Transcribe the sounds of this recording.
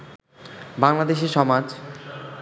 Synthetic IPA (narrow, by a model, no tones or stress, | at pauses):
baŋlad̪eʃeʃɔmad͡ʑ